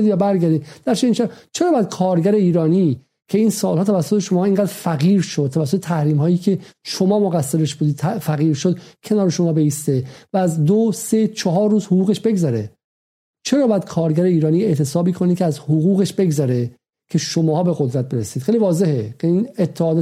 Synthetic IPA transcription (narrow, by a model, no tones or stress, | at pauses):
ivæbæɾɡæɾd̪iːd̪̥æɾt͡ʃʰeiːnʃæt͡ʃʰeɾɒːbææd̪̥̚kʰɒːɾɡæɾe̞iːɾɒːniː | cʰe̞iːnsɒːlhɒːt̪ʰævæsːot̪ʰeʃo̞mɒːiŋɡæːd̪ɾfæɣiːɾʃod̪̚t̪ʰːævæsːot̪et̪ʰæhɾiːmɦɒːjiːcʰe̞ʃomɒːmoɣæsːe̞ɾeʃb̥uːd̪iːd̪ʰfæɣiːɾʃod̪̥cʰe̞nɒːɾeʃo̞mɒːbeiːst̪e̞væːzd̪ose̞t͡ʃʰɒɦɒːɾːuːzhoʁuːɣeʃbe̞ɡzæɾe | t͡ʃʰe̞ɾɒːbɒjæd̪̥kʰɒːɾɟæɾeiːɾɒːniːe̞ʔt̪ʰe̞sɒːbiːkʰonid̪kʰeæzhoɣuːɣe̞ʃb̥e̞ɡzɒɾe | cʰeʃomɒːbe̞ɣod̪ɾæt̪̚be̞ɾesiːd̪̥xeːlivɒːze̞hekʰeiːnet̪ʰːehɒːd̪e